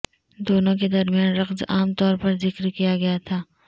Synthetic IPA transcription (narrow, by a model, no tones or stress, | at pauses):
d̪oːnõked̪ɐɾmjaːnɾɐqzaːmt̪ɔːɾpɐɾzɪkɾkijaɡɐjat̪ʰaː